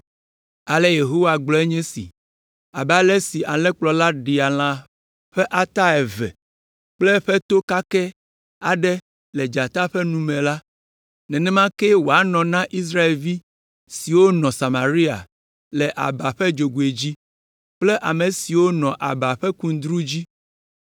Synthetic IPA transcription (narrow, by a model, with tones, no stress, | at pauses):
a˨lɛ˦je˨ɦo˦wa˨ɡ͡blɔ˦ɛ˦ɲɛ̃˦sḭ˨ | a˨ba˨lɛ˦si˨ʔa˨lɛ̃˦k͡plɔ˨la˦ɖi˨a˨l̃ã˦ | ɸɛ˦ʔa˦t̪a˦ɛ˨vɛ̰˨ | k͡plɛ˦ɸɛ˦t̪o˦ka˦kɛ˦ | a˨ɖɛ˦ | lɛ˨d͡ʒa˨t̪a˦ɸɛ˦nũ˦mɛ̃˨la˦ | nɛ̃˨nɛ̃˦mã˦ke˦wo˨a˦nɔ̃˨nã˦ʔi˦s̬ɾa˦e˨lvi˦ | si˨wo˦nɔ̃˨sa˨ma˨ɾi˦a̰˨ | lɛ˨ʔa̰˨ba˨ɸɛ˦d͡ʒo˨ɡu˨e˨d͡ʑi˦ | k͡plɛ˦ʔa˨mẽ˨si˨wo˦nɔ̃˨ʔa̰˨ba˨ɸɛ˦kũ˦d̪ɾu˦d͡ʑi˦